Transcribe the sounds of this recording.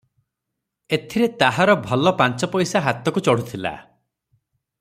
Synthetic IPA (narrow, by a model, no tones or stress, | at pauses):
et̪ʰiɾet̪aɦaɾɔbʱɔlɔpant͡ʃɔpɔjsaɦat̪ɔkut͡ʃɔɽ̤ut̪ʰila̰